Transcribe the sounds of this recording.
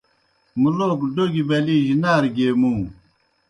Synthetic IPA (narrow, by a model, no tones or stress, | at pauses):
muloːkɖoɡibɐliːʑinaːɾɡeːmũː